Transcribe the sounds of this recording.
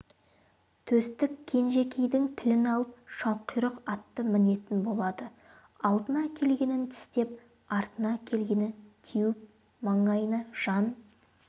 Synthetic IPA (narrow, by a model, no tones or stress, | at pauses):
t̪ʰɵst̪ɪkkʲʰe̞nʒe̞kʲe̞jd̪ɪŋt̪ʰɪlɪnɑlˠəp̚ʃɑlˠqʰəjɾəqɑt̪ːəmɪne̞t̪ɪnbo̞lˠɑd̪ə | ɑlˠd̪ənɑkʲʰe̞lɡʲe̞nɪnt̪ʰɪ̥st̪e̞p̚ | ɑɾt̪ənɑkʲʰe̞lɡʲe̞nɪnt̪ʰijɪp̚ | mɑɴɑjənəʒ̥ɑn